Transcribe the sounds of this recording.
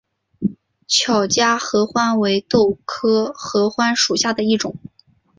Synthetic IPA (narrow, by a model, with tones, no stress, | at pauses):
t͡ɕʰjɑ˨˩ʊt͡ɕja˥xɤ˧˥xwa˥nwe˧˥ɪt̪o˥˩ʊkʰɤ˥xɤ˧˥xwa˥nʂu˨˩ɕja˥˩d̪ə˩i˥˩ʈ͡ʂʊ˨˩˦ŋ